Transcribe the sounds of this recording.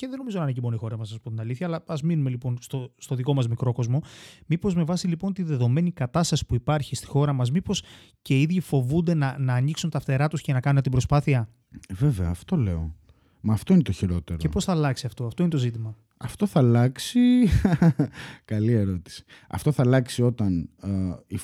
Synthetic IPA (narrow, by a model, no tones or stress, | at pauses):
ce̞ðe̞no̞izonɐnecimo̞nixo̞ɾɐmɐsɐspont̪inɐliθçɐːlɐɐzminume̞lipo̞nst̪o̞st̪o̞ðiko̞mɐzmikɾo̞ko̞zmo̞mipo̞zme̞vɐsilipo̞nt̪iðe̞ðo̞me̞nikɐt̪ɐst̪ɐsi̥puipɐɾçist̪i̥xo̞ɾɐmɐzmipo̞s | ce̞iðʝifo̞vund̪e̞nɐnɐːniksunt̪ɐfθe̞ɾɐt̪uscenɐkɐnunt̪ibɾo̞spɐθiɐ | ve̞ve̞ɐːft̪o̞le̞̰o̰ | mɐːft̪oinet̪o̞çiɾo̞t̪e̞ɾoepo̞sθɐːlɐksiɐft̪o̞ɐft̪o̞inet̪ozit̪imɐ | ɐft̪o̞θɐlɐksi | kɐlie̞ɾo̞t̪i̥si̥ɐ̰ft̪o̞θɐlɐksio̞t̪ɐn | i